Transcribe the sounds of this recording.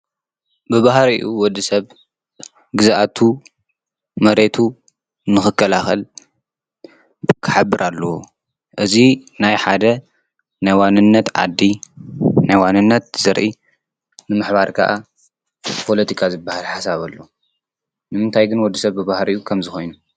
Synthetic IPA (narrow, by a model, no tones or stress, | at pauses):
bɨβahɾiʔuwɔd̪ːisɐβ | ɡɨzaʔat̪ʰu | mɐɾe̞t̪ʰu | nɨxɨkʰːɐlaxɐl | kʰɨ̥ħabːɨɾʔalːɐwo | ʔɨzinajħad̪ɐ | najwanːɨnːɐt̪ʕa̰d̪ːi | najwanːɨnːɐt̪z̥ɐɾʔi | nɨmɨħβaɾkʰa̰ʔa | pʰo̞lɐt̪ʰikʰazɨbːahalħasaβɐlːo | nɨmɨnt̪ʰajɡɨnwɔd̪ːisɐβbɨβahɾijukʰɐmzɨxo̞jnu